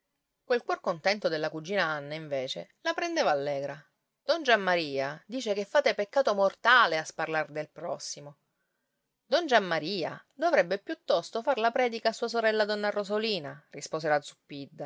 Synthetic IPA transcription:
kwelkwɔrkont̪ɛnt̪od̪elːakud͡ʒiːnaanːaiɱveːt͡ʃḛlapɾend̪eːvaːlːɛːɡɾa | d̪̥ɔnd͡ʒamːaɾiːad̪iːt͡ʃekefːaːt̪epekːaːt̪omort̪aːleasparlard̪elpɾɔsːimo | d̪ɔnd͡ʒamːaɾiːa̰d̪ovɾɛbːepjut̪ːɔst̪ofarlapɾɛːd̪ikaːsːuːas̬oɾɛlːad̪ɔnːarozoliːnarispoːselad̪zupːid̪ːa

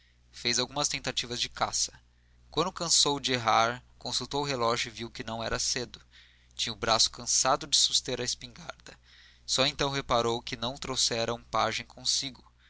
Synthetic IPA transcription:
fejzawɡũmɐst̪ẽnt̪at͡ʃivɐzd͡ʒɪkasɐ̥ | kw̃nd̪ʊkɐ̃sowd͡ʒɪeɦaɾkõsuwt̪owʊɦelɔʒʊɪviwkɪnɐ̃w̃ɛ̰ɾɐsed̪ʊ | t͡ʃĩɲʊbɾasʊ̥kɐ̃sad̪ʊd͡ʒɪsu̥st̪eɾɐɪspĩŋɡa̰ɾd̪ɐ | sɔẽnt̪ɐ̃w̃ɦepaɾowkɪnɐ̃w̃t̪ɾowsɛɾɐũpa̰ʒẽj̃kʰõsiɡʊ

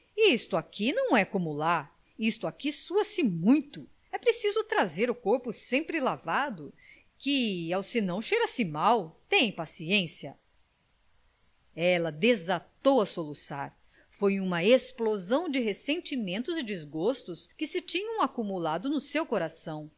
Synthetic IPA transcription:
ist̪ʊakinɐ̃w̃ɛkõmulaɾ | ist̪ʊakisuɐsɪmũj̃t̪ʊ | ɛpɾesizʊt̪ɾazeɾʊkoɾpʊsẽmpɾɪlavad̪ʊ | kɪawsɪnɐ̃w̃ʃeɾɐsɪmawt̪ẽj̃ĩpasiẽsiɐ | ɛlɐd̪ezat̪owɐsolusa̰ɾ | fojũmɐesplozɐ̃w̃d͡ʒɪɦesẽnt͡ʃimẽnt̪ʊzɪd͡ʒizɡost̪ʊskɪsɪt͡ʃĩɲɐ̃w̃akumulad̪ʊnʊsewkoɾasɐ̃w̃

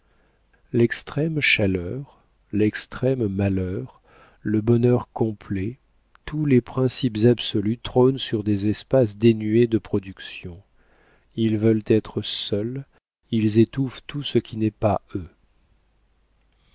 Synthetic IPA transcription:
lɛkst̪χɛmʃalœʁ | lɛkst̪χɛmːalœʁ | ləbɔnœʁkɔ̃plɛ | t̪ulepχɛ̃sipzabsɔlyt̪χonsyʁd̪ezɛspasd̪enyed̪əpχɔd̪yksjɔ̃ | ilvœlt̪ɛt̪χəsœl | ilzet̪uft̪usəkʲʰinɛpaø

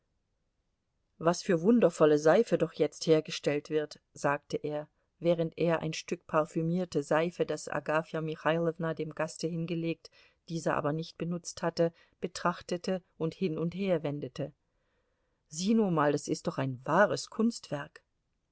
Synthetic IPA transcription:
vasfyːɐvʊndɐfɔləzaɪfədɔχjɛt͡stheːɐɡəʃtɛltv̥ɪɐt | z̥aːk̚təʔeːɐ | vɛːʁ̞əntʔeːɐʔa̰ɪnʃtʏkpʰaʁfymiːɐtəzaɪfədasʔa̰ɡaːfjamɪxaɪlɛvnadeːmɡastəhɪnɡəleːk̚t | d̥iːzɐʔa̰ːbɐnɪçt̚b̥ənʊt͡sthatə | b̥ətʁ̥aχtətəʔʊnthɪnʊntheːɐvɛndətʰə | ziːnuːmaːldasɪstd̥ɔχaɪnvaːʁəskʰʊnstv̥ɛɐk

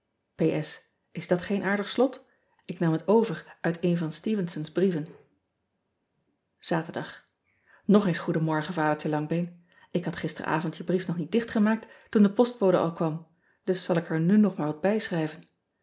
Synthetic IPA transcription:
pejʔɛs | ɪzdɑtχejnʔaːɹdəχslɔt | ɪknɑmətowvəɹʔœɥtejnvɑnstiːvənsənzbrivən | z̥aːtəɹdɑχ | nɔχensχudəmɔɹχənvaːdəɹtəlɑŋbejn | ɪkɦɑtχɪstərə̰ʔa̰ːvɔntjəbrifnɔχnit̚dɪχtχəmaːk̚ttundəpɔst̚powdə̰ʔɑlˠkʋɑm | d̥ɵsːɑlˠɪkəɹnynɔχmaːɹʋɑd̚bɛjsχrɛjvən

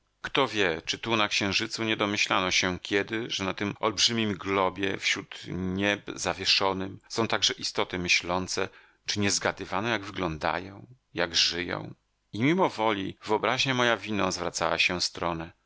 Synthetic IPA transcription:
kt̪ɔvʲjɛt͡ʂɘt̪unakɕɛ̃w̃ʐɘt̪suɲɛd̪ɔmɘɕlanɔɕɛkʲjɛd̪ɘʐɛnat̪ɘmʔɔlbʐɘmʲimɡlɔbʲjɛ̰fɕɾut̪ɲɛbzavʲjɛʂɔnɘmsɔ̃w̃t̪aɡʐɛʔist̪ɔt̪ɘmɘɕlɔnt̪sɛ | t͡ʂɘɲɛzɡad̪ɘvanɔjaɡvɘɡlɔnd̪a̰jɔ̃w̃ | jaɡʐɘjɔ̰̃w̃ | imʲimɔvɔlʲivɘɔbɾaʑɲɛmɔjavʲinɔ̃zvɾat̪sa̰wa̰ɕɛst̪ɾɔnɛ

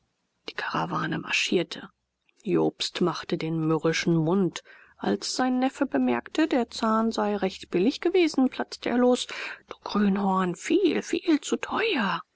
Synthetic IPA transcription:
d̥i̥ːkʰaʁavaːnəma̰ʃiːɐtʰə | jo̰ːpstmaχtədeːnmʏʁɪʃn̩mʊnt | ʔa̰lsz̥aɪnːɛfəbəmɛɐktədeːɐt͡saːnzaɪʁɛçtb̥ɪlɪçɡ̥əveːzn̩pl̥at͡stəʔḛːɐloːsd̥u̥ɡ̥ʁyːnhɔɐnfiːlfḭːlt͡sutʰɔʏɐ

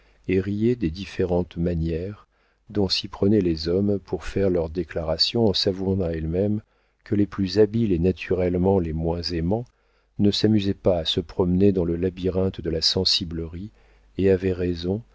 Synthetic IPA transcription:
eʁijed̪ed̪ifeʁɑ̃t̪manjɛʁ | d̪ɔ̃sipχənɛlezɔmpʰuʁfɛʁlœʁd̪eklaʁasjɔ̃ɑ̃savuɑ̃t̪aɛlmɛm | kəleplyzabilenat̪ʰyʁɛlmɑ̃lemwɛ̃zemɑ̃ | nəsamyzɛpaːsəpχɔmned̪ɑ̃ləlabiʁɛ̃t̪d̪əlasɑ̃sibləʁi | eavɛʁezɔ̃

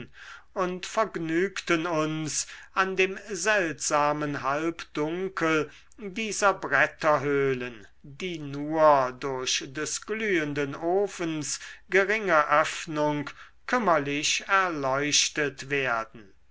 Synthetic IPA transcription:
ʊntfɛɐɡnyːktənʊnsʔandeːmzɛltz̥aːmənɦalpd̥ʊŋkʰəl | diːzɐbʁɛtɐɦøːlən | diːnuːɐdʊɐɕdɛsɡ̥lyːəndənʔoːfənsɡ̥əʁɪŋəʔœfnʊŋk | kʰʏmɐlɪʃɛɐlɔʏʃtətv̥eːɐdn̩

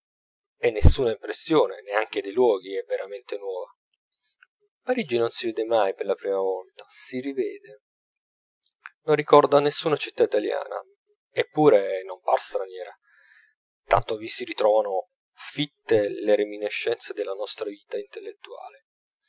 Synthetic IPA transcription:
ɛnːesːuːnaimpɾesːjoːneneaŋk̟ed̪ejlwɔːɡiɛveɾament̪enwɔːva | paɾid͡ʒinonsivɛːd̪emajperlapɾiːmavɔlt̪ḁsirivɛːd̪e | nonːikɔrd̪anesːuːnat͡ʃit̪ːait̪alja̰ːna̰ | epːuːɾenomparst̪ɾanjɛːɾa | t̪a̰nt̪ovisiɾit̪ɾɔːvano | fit̪ːeleɾemineʃːɛnt̪sed̪elːanɔst̪ɾaviːt̪aint̪elːet̪ːua̰ːle

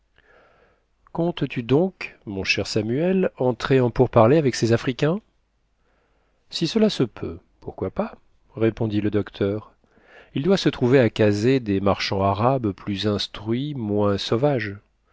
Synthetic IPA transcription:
kɔ̃t̪t̪yd̪ɔ̃kmɔ̃ʃɛʁsamyɛlɑ̃t̪χeɑ̃puʁpaʁleavɛksezafχikʲɛ̃ | sisəlasəpʰø̰ | puʁkwapa | ʁepɔ̃d̪iləd̪ɔkt̪ʰœʁ | ild̪wasət̪χuveakazed̪emaʁʃɑ̃aʁabplyzɛ̃st̪χɥimwɛ̃sɔvaʒ

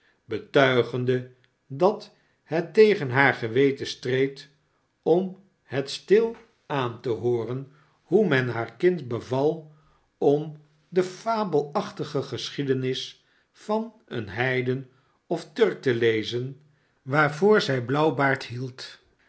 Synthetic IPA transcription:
bətœɥχəndə | dɑt | hɛtːejχənɦaːɹχəʋejtəstrejt | ɔm | hətstɪlˠ | aːntəɦoːrən | humɛnɦaːɹkɪntbəvɑlˠ | ɔm | dəfaːbəlˠɑχtəχəχəsχidənɪs | fɑn | ə̰nɦɛjdən | ɔftɵɹk̚təlejzən | ʋaːɹvoːɹzɛjblɑwbaːɹthilˠt

